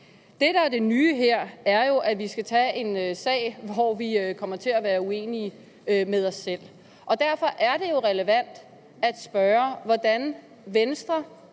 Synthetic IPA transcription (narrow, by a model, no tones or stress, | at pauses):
d̥e̝ɾ̥ɑ̈æɐd̥e̝nyːɦeɐ̰æɐjo̝ʔæʋisɡ̥æt͡sʰɛe̝nøsɛ̰ːɪ̰ʋɒʋiøkʰɒ̽m̰ɐt͡sʰe̝læʋæːɐue̝̰ːniə | ømeðˠɒ̽sːel̰ | ʔɒ̽d̥æɐfɒ̽ʔæɐɾ̥e̝jo̝ʁɛləʋæn̰d̥ | æd̥sb̥ɶːɐʋɒd̥æn | ʋensd̥ʁɐ